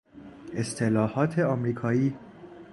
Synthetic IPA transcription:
e̞st̪ʰelɒːhɒːt̪ʰeɒːmɾiːkʰɒːiː

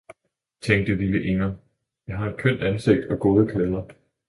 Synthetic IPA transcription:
t͡sʰeŋ̰ɡ̚d̥əliləʔe̝ŋɐ | jɑ̈ɪɦɑ̈e̝d̥̚kʰøn̰d̥ænse̝ɡ̥̚d̥ɒ̽ɡ̥o̝ːð̞ˠəkʰleðˠɐ

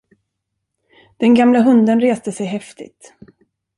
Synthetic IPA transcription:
d̪̥ɛnɡamlaɦɵnd̪ənɾeːst̪əsɛjɦɛft̪ɪ̰t̪

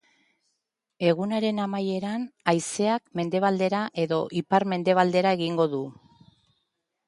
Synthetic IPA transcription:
e̞ɣ̞unaɾe̞namaje̞ɾanajse̞akme̞nd̪e̞β̞ald̪e̞ɾaʔe̞ðo̞ʔipaɾme̞nd̪e̞β̞ald̪e̞ɾae̞ɣiŋɡo̞ðu

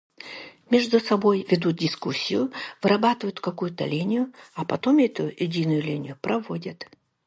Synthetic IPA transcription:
mʲeʐd̪ʊsɐbo̞jvʲɪd̪ut̪̚dʲɪskusʲːɪjʊvɨɾɐbat̪ɨvəjʊt̪kɐkujʊt̪ə̰lʲinʲɪjʊɐpɐt̪omɛt̪ʊjɪdʲinʊjʊlʲinʲɪjʊpɾɐvodʲɐt̪

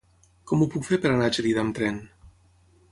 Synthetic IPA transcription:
kɔmupukfeɾpəɾanat͡ʃeɾiðamt̪ɾɛn

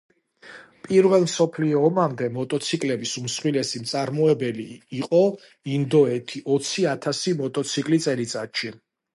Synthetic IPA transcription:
pʼiɾvɛlˠmsɔpʰliɔːmamd̪ɛmɔt̪ʼɔt̪sʰikʼlɛbisumsχwilɛsimt̪sʼaɾmɔɛbɛliːqʼɔ | ind̪ɔɛt̪ʰiʔɔt̪sʰiat̪ʰasimɔt̪ʼɔt̪sʰikʼlit̪sʼɛlit̪sʼat̪ʃi

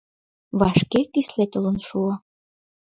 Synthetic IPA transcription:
βɑʃkekyslet̪ələ̆nʃuɑ

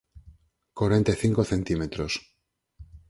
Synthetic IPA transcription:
koɾent̪eθiŋkoθẽ̞nt̪imet̪ɾos

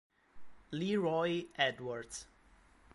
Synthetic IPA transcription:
liɹɔɪʔɛdwəɹd

